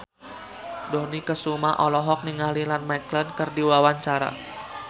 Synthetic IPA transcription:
dɔnikəsumaʔɔlɔɦɔk̚niŋalilanmaklənkərdiwawaɲt͡ʃaɾa̰

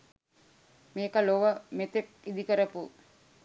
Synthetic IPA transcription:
meːkəloʋəmet̪ekid̪ikəɾəpu

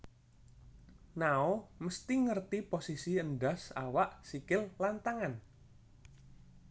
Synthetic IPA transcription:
naoməst̪iŋərt̪iposisiənɖasa̰waʔsikɪllant̪aŋan

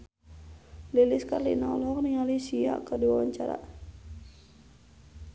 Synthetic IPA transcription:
liliskarlḭnaɔlɦɔk̚niŋalisia̰kərdiwawaɲt͡ʃaɾa̰

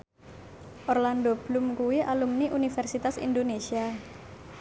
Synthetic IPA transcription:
ʔɔrlandob̥lumkuwiʔalumniʔunifɛrsit̪asḭndonesia

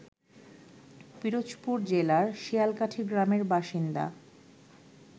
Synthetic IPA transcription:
piɾod͡ʑpuɾd͡ʑelaɾʃijalkaʈʰiɡɾameɾbaʃind̪a̰

